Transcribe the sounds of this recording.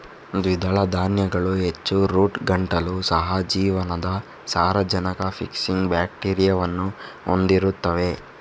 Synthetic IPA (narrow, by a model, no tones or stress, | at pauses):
d̪ʋid̪ʱɐɭɐd̪ʱaːnjɐɡɐɭuɦet͡ʃːuɾuːʈɡɐɳʈɐlusɐɦɐd͡ʒiːʋɐnɐd̪ɐ | saːɾɐd͡ʒɐnɐkɐpʰḭksiŋɡbjaːkʈiːɾijɐʋɐnːuo̰nd̪iɾut̪ːɐʋe̞